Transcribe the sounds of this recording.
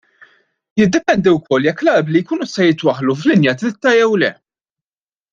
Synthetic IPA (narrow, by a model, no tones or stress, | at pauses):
jɪd̪ːɛpɛnd̪iwkʰɔlːjɛkːlɐblijkuːnɪst̪ɛjɪt̪wɐħluflɪnjɐt̪ɾɪt̪ːɐjɛwlɛ